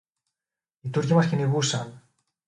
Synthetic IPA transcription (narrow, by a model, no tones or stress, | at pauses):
it̪uɾcimɐsciniɣusɐn